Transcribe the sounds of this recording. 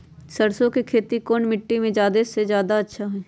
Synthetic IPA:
səɽsõkekʰeːt̪ikoːnmɪʈːimẽd͡ʒjaːd̪esezjaːd̪aɐtːʃʰaɦoeː

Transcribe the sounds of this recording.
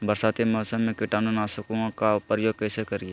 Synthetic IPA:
bəɾsaːt̪emɔːsəmːẽkɪʈaːnonaːsəkũkaʊpɾəjoːɡ̚kɛːsekəɾijeː

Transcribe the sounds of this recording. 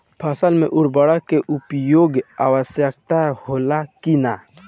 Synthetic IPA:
pʰəsəlmḛ̃ʔʊɽbəɽakeʔʊpjoːɡa̰wəsjək̚t̪ahoːlakina

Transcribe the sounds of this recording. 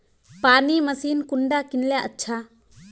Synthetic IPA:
paːniːmɐsiːnkʊɳɖakɪnljaʔətːʃʰaː

